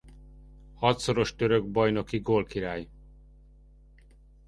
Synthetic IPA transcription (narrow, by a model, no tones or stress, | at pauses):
hɒt̪so̞ɾo̞ʃt̪ø̞ɾøɡ̚bɒjno̞kiɡoːlkiɾaːj